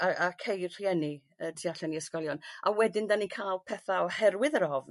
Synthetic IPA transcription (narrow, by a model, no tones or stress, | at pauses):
aakʰejr̥jɛni | ətʰiaɬɛniəskɔlˠjɔnʔawɛdɪndanikʰalˠpʰɛθahɛrwɪðəɾɔvn